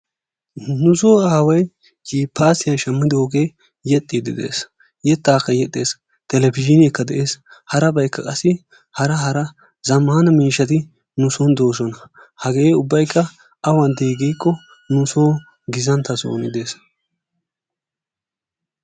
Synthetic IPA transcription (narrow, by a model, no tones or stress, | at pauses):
nʊsoːaːwɐj | d͡ʒiːpːaːsɪjɐnʃɐmːɪd̪oːɡe̞ː | jɛt̪ʼːiːd̪ɪd̪e̞̰ːs | jɛt̪ːaːkːɐjɛt̪ʼːe̞ːs | t̪ɛlɛbɪd͡ʒɪnɪɛkːɐd̪ɛʔeːshɐɾɐbɐjkːɐkʼɐsːɪ | hɐɾɐɦɐɾɐ | zɐmːaːnɐmiːʃːɐt̪ɪ | nʊsɔnd̪o̞ːsɔnɐ | hɐɡeːʊbːɐjkːɐ | ɐwɐnd̪eːɡijkːɔ | nʊsoː | ɡɪzɐnt̪ɐso̰ːnɪd̪e̞ːs